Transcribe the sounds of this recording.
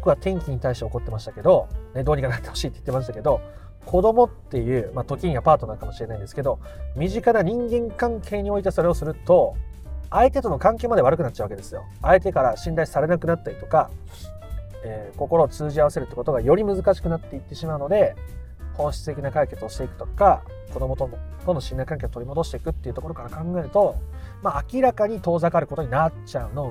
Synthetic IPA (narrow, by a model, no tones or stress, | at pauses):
bokɯβat̪ẽ̞ŋkʲiɲ̟it̪aiɕit̪e̞o̞ko̞t̪ːe̞maɕi̥t̪ḁke̞d̪o̞ne̞d̪o̞ːɲ̟ikanat̪ːe̞ho̞ɕiːt̪ːei̥t̪ːe̞maɕ̬it̪ake̞d̪o̞ | kʰo̞d̪o̞mo̞t̪ːe̞jɯ̟ːmat̪o̞kʲĩɲjapaːt̪o̞naɯkamo̞ɕiɾe̞naind̪e̞sɨ̥ke̞d̪o̞mʲiʑikanaɲ̟ĩŋɡẽ̞ŋkãŋkʰe̞ːɲ̟io̞it̪eso̞ɾe̞o̞sɨɾɯ̟t̪o̞ | ait̪e̞t̪o̞no̞kãŋke̞ːmad̪e̞βaɾɯkɯnatt͡ɕːaɯβaked̪e̞sɨjo̞̰ | aet̪e̞kaɾaɕĩnd̪aisaɾe̞nakɯ̟nat̪ːaɾʲit̪o̞ka | eːko̞ko̞ɾo̞ːt͡sɨːʑiaβase̞ɾɯ̟t̪ːe̥kot̪o̞ɡajo̞ɾʲimɯ̟zɨkaɕi̥kɯ̟nat̪ːe̞it̪ːe̞ɕimaɯ̟no̞d̪e̞ | ho̞ːɕi̥t͡sɨ̥t̪e̞kʲinakaike̞t͡sɨo̞ɕit̪e̞ikɯ̥t̪oka | ko̞d̪o̞mo̞t̪ot̪ono̞ɕĩnd̪aikãŋkeot̪oɾʲimo̞d̪o̞ɕi̥t̪e̞ikɯ̟t̪ːei̟t̪okoɾo̞kaɾakãŋɡae̞ɾɯ̟t̪o̞maːkʲiɾakaɲ̟it̪o̞ːzakaɾɯ̟ko̞t̪oɲ̟inat͡ɕaɯ̟no̞